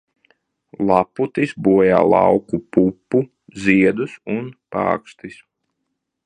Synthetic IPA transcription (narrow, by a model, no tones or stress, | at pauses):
lˠɑput̪isbuɔja̰ːlˠɑ̰wkupupːu | ziɛd̪usunpɑ̰ːkst̪is